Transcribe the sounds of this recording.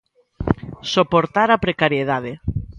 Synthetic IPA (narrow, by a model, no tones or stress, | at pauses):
sopoɾt̪aɾapɾekaɾjeðaðe